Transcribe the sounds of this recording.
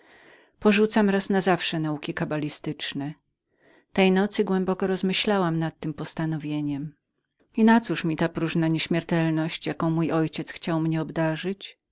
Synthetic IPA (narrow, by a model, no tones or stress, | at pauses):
pɔʐut̪samɾasnazafʂɛnaukʲikabalʲist̪ɘt͡ʂnɛ | t̪ɛjnɔt̪sɘɡwɛmbɔkɔɾɔzmɘɕlawamnat̪ːɘmpɔst̪anɔvʲjeɲɛm | inat̪suʂmʲit̪apɾuʐnaɲɛɕmʲɛɾt̪ɛlnɔɕt͡ɕjakɔ̃w̃mujɔjt͡ɕɛt̪sxt͡ɕawmɲɛɔbd̪aʐɘt͡ɕ